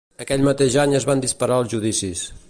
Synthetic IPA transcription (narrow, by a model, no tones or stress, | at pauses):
əkɛʎmət̪eʒaɲəzβand̪ispəɾaəlˠzʒuðisis